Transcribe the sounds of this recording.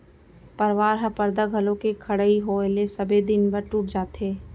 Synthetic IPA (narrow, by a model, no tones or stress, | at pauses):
pəɾʋaːɾɦɐpəɾd̪aɡʱɐlõkekʰɐɽəiɦoelesəbʱed̪ɪnbəɾʈuːʈ̚d͡ʒaːt̪ɦeː